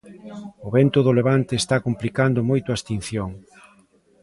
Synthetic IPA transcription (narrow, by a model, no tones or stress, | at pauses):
ʊβɛnt̪ʊðoleβant̪eːst̪akomplikand̪ʊmojt̪ʊast̪in̟θjoŋ